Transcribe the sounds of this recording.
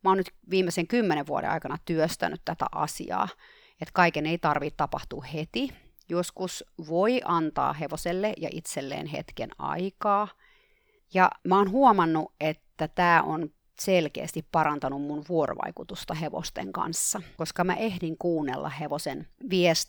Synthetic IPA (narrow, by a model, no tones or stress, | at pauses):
mæonnyt̪ʋiːmːeseŋkymːeneʋʋuo̰ɾḛɑ̰ikɑnɑt̪yøst̪æ̰nyt̪t̪æt̪æ̰ʔɑ̰sḭɑ̰ː | et̪kɑikeneit̪ɑrʋit̪ɑpɑht̪uːhet̪i | joskusʋoiʔɑnt̪ɑ̰ːɦeʋoselːejɑʔḭt̪selːḛːnhḛt̪kḛnɑ̰ikɑː | jɑ̰mæoːnɦuomɑnːuʔet̪ːæt̪æːʔon | selkḛːst̪ippɑɾɑnt̪ɑnummunʋuoro̰ʋɑ̰ikut̪ust̪ɑheʋo̰st̪ḛŋkɑ̰nsːɑkoskɑmæʔehdiŋkuːnːḛlːʔɑ̰heʋosenʋiɛst̪